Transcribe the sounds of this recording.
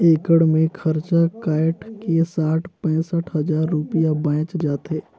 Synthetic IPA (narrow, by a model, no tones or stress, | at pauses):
eːkəɽmẽkʰɐɾt͡ʃakaːɪʈkesaːʈʰpɛ̃ːsəʈʰɦɐd͡ʒaːɾːʊpɪjabãːt͡ʃd͡ʒaːt̪eː